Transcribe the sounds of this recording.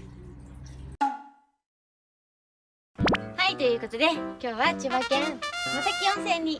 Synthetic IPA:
hait̪o̞jɯ̟ːko̞t̪o̞d̪e̞kʲo̞ːβat͡ɕɨβakẽɰnasakʲiõɰ̃se̞ːɲ̟ːi

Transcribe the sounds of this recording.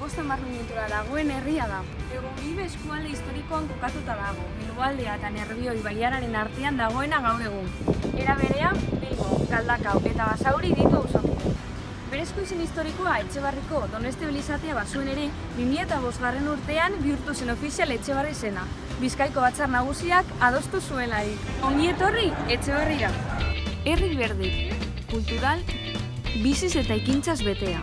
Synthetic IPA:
bo̞st̪amarmomjent̪uɾaðaɣ̞o̞e̞ne̞riaða | eɣuiβeːskuald̪e̞ist̪o̞ɾiko̞aŋko̞kat̪ut̪aðaɣ̞o̞milβoald̪e̞aet̪ane̞ɾβio̞jβaliaɾaɾe̞naɾt̪e̞and̪aɣ̞o̞e̞naɣ̞awɾe̞ɣ̞une̞ɾaβ̞e̞ɾe̞abejɣokald̪akawe̞t̪aβasawɾiðit̪usa | be̞ɾe̞skojsenist̪o̞ɾikoae̞t͡ʃe̞β̞ariko̞ðo̞ne̞st̪iβilisat̪eaβasue̞ne̞ɾe̞ | βimiʎat̪aβ̞o̞zɣare̞nuɾt̪e̞ambiuɾt̪use̞no̞fisiale̞t͡ʃe̞β̞arise̞na | βiskajko̞β̞at͡sarnaɣ̞usiakað̞o̞st̪usue̞laɾio̞ŋɡie̞t̪o̞rie̞t͡ʃe̞β̞e̞riɾa | e̞riβe̞ɾði | kult̪uɾal | bisise̞t̪aekint͡sazβe̞t̪e̞a̰

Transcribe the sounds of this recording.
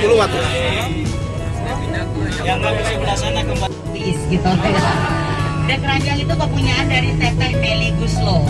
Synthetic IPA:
uluwat̪u | jaŋbaɡusabənasanaɡəma | isɡit̪ot̪ | dankəɾad͡ʒaŋit̪ukəpuɲaːndaɾisɛt̪ɛpeliɡuslo

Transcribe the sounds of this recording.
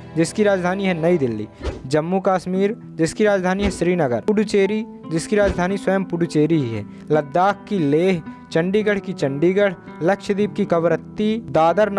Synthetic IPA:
d͡ʒɪskiɾaːd͡ʒd̪ʱaːniɦɛnɐid̪ɪlːḭːd͡ʒɐmːukaːʃmiːɾ | d͡ʒɪskiɾaːd͡ʒd̪ʱaːniɦɛʃɾiːnɐɡəɾʊɽʊt͡ʃeːɾi | d͡ʒɪskiɾaːd͡ʒd̪ʱaːniswɐjəmpʊɽut͡ʃeːɾiɦiɦɛ̰ː | lɐd̪ːaːkkileːɦt͡ʃɐ̃ɳɖiːɡəɽ̤kit͡ʃɐ̃ɳɖiɡəɽ̤ | lɐkʃd̪iːp̚kikɐʋɾət̪ːid̪aːd̪əɾn

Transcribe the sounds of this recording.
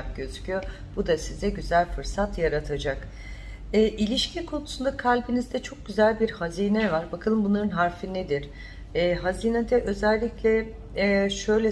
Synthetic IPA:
ak̚ɟø̞zycʰyjo | b̥ud̪asizɛɟyzælʲfɯɾsat̪jaɾat̪ʰad͡ʒak | ɛːʔilʲiʃcʰikʰo̞nusund̪akʰalʲbinizd̪ɛt͡ʃʰo̞k̚ɟyzælʲbiɾhaziːnɛvaɾbakʰɯlˠɯmbunˠaɾɯnɦaɾfined̪iɾ̥ | ɛːɦazinɛd̪ɛʔø̞zɛlʲːiclʲɛ | ʃø̞jlʲɛ

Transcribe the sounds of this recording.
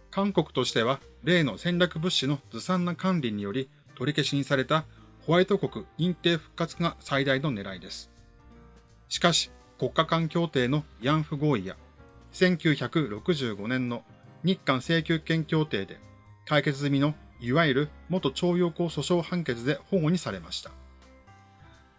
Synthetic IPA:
kãŋko̞kɯ̟̥t̪o̞ɕi̥t̪e̞βa | ɾe̞ːno̞sẽ̞ɲɾʲakɯ̟bɯ̟ɕːino̞d͡zɨsãnːakãnɾʲiɲ̟ijo̞ɾʲi | t̪o̞ɾʲike̞ɕiɲ̟isaɾe̞t̪a | ho̞βait̪o̞ko̞kɯ̟ĩnt̪e̞ːɸɯ̟̥kːat͡sɨŋasaid̪aino̞ne̞ɾaid̪e̞sɨ̥ | ɕi̥kaɕi̥ | ko̞kːakãŋkʲo̞ːt̪e̞ːno̞jãɰ̃ɸɯ̟ɡo̞ːija̰ | sẽ̞ŋkʲɨːçakɯ̟ɾo̞kɯ̟ʑɨːɡo̞nẽ̞nːo̞ɲ̟ikːãɰ̃se̞ːkʲɨːkẽ̞ŋkʲo̞ːt̪e̞ːd̪e̞̰ | kaike̞t͡sɨzɨmʲino̞iβaiɾɯ̟mo̞t̪ːo̞t͡ɕo̞ːjo̞ːko̞ːso̞ɕo̞ːhãŋke̞t͡sɨd̪e̞ho̞ːŋoɲ̟isaɾe̞maɕi̥t̪ḁ

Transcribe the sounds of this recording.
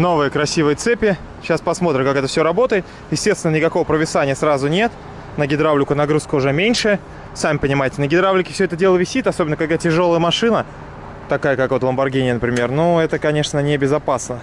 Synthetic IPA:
no̞vɨjəkɾɐsʲivɨjət̪sɛpʲɪ | ɕaspɐsmo̞t̪ɾʲɪmkakɛt̪əfsʲoɾɐbo̞t̪əjɪt̪ | jɪsʲtʲest̪ʲɪnənʲɪkɐko̞vəpɾəvʲɪsanʲɪjəsrazʊnʲet̪ | nəɡʲɪd̪ɾavlʲɪkʊnɐɡɾuskəʊʐɛmʲenʲʂɨ | samʲɪpənʲɪmajɪtʲɪnəɡʲɪd̪ɾavlʲɪkʲɪ̥fsʲɵoɛt̪ədʲe̞lˠəvʲɪsʲit̪ɐsobʲɪnəkɐɡ̚d̪atʲɪʐo̞lˠəjəmɐʂɨnə | t̪ɐkajəkakvot̪lˠəmbɐrɡʲenʲɪjənəpɾʲɪmʲe̞rnuɛt̪əkɐnʲeʂnənʲɪbʲɪzɐpasnə

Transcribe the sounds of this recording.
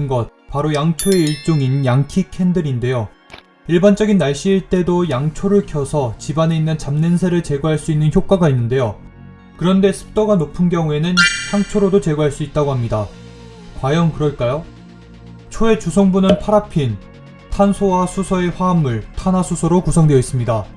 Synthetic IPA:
ɯnɡʌt̚paɾojaŋt͡ɕʰoe̞iɭt͡ɕ͈oŋinjaŋkʰikʰe̞ndɯɾinde̞jo | iɭband͡ʑʌɡinːaɭɕ͈iːɭt͈e̞dojaŋt͡ɕʰoɾɯɭkʰjʌsʰʌt͡ɕibane̞inːɯnt͡ɕamnensʰeɾɯɭt͡ɕe̞ɡoɦaɭs͈uinːɯnçjok͈aɡainːɯnde̞jo | kɯɾʌnde̞sʰɯ̥p̚t͈oɡanopʰɯnɡjʌŋue̞nɯnçjaŋt͡ɕʰoɾodot͡ɕe̞ɡoɦaɭs͈uit̚t͈aɡoɦamɲida | kwajʌŋkɯɾʌɭk͈ajo | t͡ɕʰoe̞t͡ɕusʰoŋbunɯnpʰaɾapʰin | tʰansʰowasʰusʰʌe̞ɸwaːmːɯɭtʰanasʰusʰʌɾokusʰʌŋdweʌis͈ɯmɲida

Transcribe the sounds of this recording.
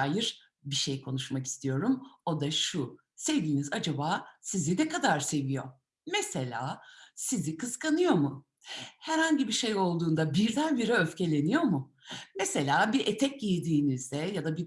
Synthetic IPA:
jiɾ̥ | biʃe̞jkʰo̞nuʃmaki̥st̪ʰijo̞ɾumo̞d̪aʃu | se̞vd̪iːnizad͡ʒabaːsizid̪ɛkad̪aɾse̞vijo̞̰ | mese̞lʲa̰ːsizikʰɯzkanɯjo̞mu | hæɾhaɲɟibiʃe̞jo̞lˠd̪uːnd̪abiɾd̪ænbiɾɛø̞fcʰe̞lʲe̞nijo̞mu | mese̞lʲaːbiɾʔet̪ʰɛcjijid̪iːnizd̪ɛjad̪abi

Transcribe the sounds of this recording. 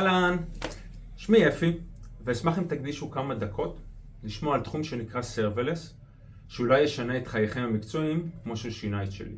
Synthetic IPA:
alan | ʃmiefiveːsmaχimt̪aɡ̚d̪iʃukamad̪akʰo̞t | liʃmoalt̪χumʃe̞nikʁase̞ʁveles | ʃeulajeʃaneːt̪χajaχemhamikt͡so̞imkmo̞ʃeʃinaitʃe̞̰lḭ

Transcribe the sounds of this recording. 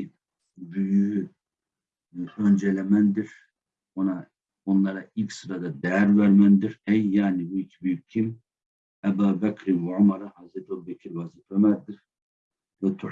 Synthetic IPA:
byjyy | ønd͡ʒɛlʲɛmænd̪iɾ̥ | ona | onlˠɑɾaʔilʲcsɯɾad̪ad̪ɛjæɾvæɾmænd̪iɾɛjːaːnibuicʲʰibyjyc̚cʰːim | æbaːbækʰɾinwɛʕomaɾahazɾɛt̪ʰobɛkʰiɾvaziflɛmæzd̪iɾ̥ | vɛt̪ʰu

